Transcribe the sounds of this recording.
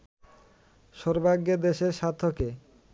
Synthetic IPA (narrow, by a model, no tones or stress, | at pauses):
ʃɔɾbʱaɡːed̪eʃeɾʃat̪ʰːoke